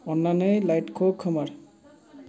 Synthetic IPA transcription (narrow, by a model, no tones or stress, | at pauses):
ɔnːanɔjlajʈkʰɔkʰːɔmaɹ